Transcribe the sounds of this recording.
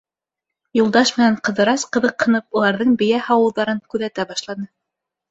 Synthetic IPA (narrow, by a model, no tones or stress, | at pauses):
julˠd̪ɑʃmɘ̆næɴqɤ̆ðɤ̆ɾɑsqɤ̆ðɤqhɤ̆nɤp̚ulˠɑɾðɤɴbɘ̆jæhɑwɤ̆lˠðɑɾɤɴkʉðæt̪æbɑʃlˠɑnɤ